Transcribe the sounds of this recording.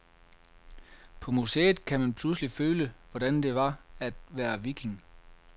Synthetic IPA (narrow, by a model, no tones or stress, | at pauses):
pʰɒ̽musḛːð̩ˠkʰæmænpʰlusliføːləʋɒd̥ænd̥e̝ʋɑ̈æd̥ʋæːɐʋikʰe̝ŋ